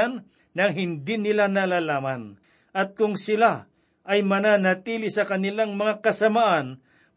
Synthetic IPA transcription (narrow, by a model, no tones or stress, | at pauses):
n | nɐŋɦɪnd̪inɪlanalaːlaːman | ʔɐt̪̚kʊŋsɪla | ʔɐjmɐnaːnɐt̪iːlɪsɐkɐnɪlaŋmɐŋakɐsɐmaʔan